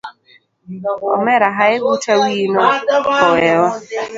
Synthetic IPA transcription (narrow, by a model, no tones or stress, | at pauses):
ɔmɛɾaɦaɛɡutʰawiːnɔɔwɛwa